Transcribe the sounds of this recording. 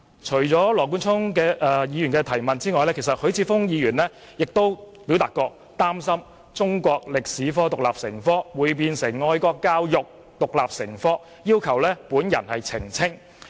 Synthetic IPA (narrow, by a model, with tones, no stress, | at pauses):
t͡ʃʰɵ˨˩ɥt͡sɔː˨˥lɔː˨˩k̬uː˥nt͡sʰʊ˥ŋkɛː˧ʔɛ˧jiː˨˧jyː˨˩nkɛː˧t̪ʰɐ˨˩jmɐ˨nt͡siː˥ŋɔː˨˧jlɛ˥kʰjsɐ˨t̚hɵ˨˧˥ɥt͡sʰiː˧fʊ˥ŋjiː˨˧jyː˨˩nlɛː˥ | jɪ˨k̚t̪o˥w | pi˨˥wt̪aː˨tkːɔː˧k̚ | t̪aː˥msɐ˥m | t͡sʊ˥ŋkʷɔː˧k̚lɪ˨k̚siː˨˥fɔː˥t̪ʊ˨k̚laː˨p̚sɪ˨˩ŋfɔː˥wuː˨˧jp̬iː˧nsɪ˨˩ŋːɔː˧jkɔː˧kːaː˥wjʊ˨k̚ | t̪ʊ˨k̚laː˨p̚sɪ˨˩ŋfɔː˥ | jiː˥wkʰɐ˨˩wlɛː˥puː˨˥njɐ̰˨˩nhɐ˨jt͡sʰɪ˨˩ŋt͡sʰɪ˥ŋ